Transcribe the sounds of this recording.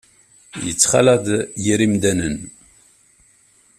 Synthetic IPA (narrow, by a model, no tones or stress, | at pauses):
jə̰t͡sːχa̰læd̪jiɾimd̪ænən